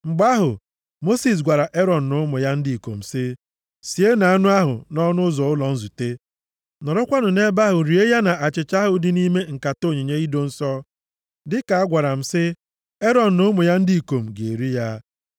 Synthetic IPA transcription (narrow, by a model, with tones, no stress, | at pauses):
ŋ͡m̩˨ɡ͡ba˦ɦʊ˨ | mo˦si˨s̬ɡʷa˨ɾa˨ʔe˦ɾɔ˨n̩˨nʊ˦mʊ˨ja˦n̩˦di˦˨i˨ko̰˨m̩˨sɪ˦ | si˨e˦na˨a˦nʊ˦a˦ɦʊ̰˨nɔ˦nʊ˦zɔ˨ʊ˦lɔ˨n̩˦zu˨te˦ | nɔ˨ɾɔ˦kʷa˦nʊ˨ne˦ba˦ɦʊ˨ɾi˨e˦ja˦na˨a˨t͡ʃɪ˨t͡ʃa˦ɦʊ˨dɪ˨ni˦me˦ŋ̩˨ka˨to˦˨ɲe˨ɲe˦i˦do˦n̩˦sɔ˦ | dɪ˦ka˨a˦ɡʷa˨ɾa˨m̩˨sɪ˦ | e˦ɾɔ˨n̩˨nʊ˦mʊ˨ja˦n̩˦di˦˨ko˨m̩˨ɡḛ˨ɾi˦ja˦